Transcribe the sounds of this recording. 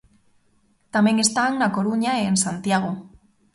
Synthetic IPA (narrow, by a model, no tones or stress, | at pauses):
t̪ameŋest̪aːŋnako̞ɾuɲaeːnsant̪iaɣ̞o